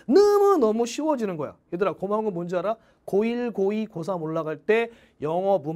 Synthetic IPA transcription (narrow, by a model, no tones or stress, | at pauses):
nɯmɯnʌmuɕʰiwʌd͡ʑinɯnɡʌja̰jedɯɾakomaŋɯmond͡ʑiaɾa | koiɭɡoikos̬ʰamoɭːaɡaɭt͈e̞ | jʌŋʌbu